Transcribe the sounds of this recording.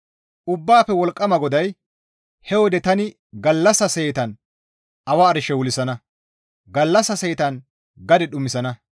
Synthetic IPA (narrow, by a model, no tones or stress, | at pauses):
ʔʊbːaːpɛwɔlkʼːɐmɐɡɔd̪ɐj | hɛwɔd̪ɛt̪ɐnɪ | ɡɐlːɐsɐsɛjt̪ɐn | ʔɐwaːɾɪʃɛwʊlɪsɐnɐ | ɡɐlːɐsɐsɛjt̪ɐn | ɡɐd̪ɛɗʊmɪsɐnɐ